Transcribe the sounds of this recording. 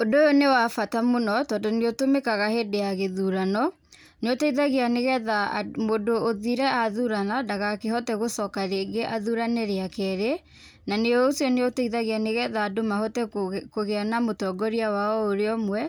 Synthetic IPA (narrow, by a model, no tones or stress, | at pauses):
odojonewafatamonɔtɔːndɔneotomekaɣahɛdeaɣeðuɾanɔ | neotɛiðaɣeaneɣɛðamodoːðiɾɛaðuɾanadaɣakeɦɔtɛɣosɔkaɾeɡeʔaðuɾanɛɾeakɛɾe | naneoosjɔneoteiðaɣeaneɣɛðaːdomahɔtɛkoɣeanamotɔɡɔɾiawaɔoɾeɔmwɛ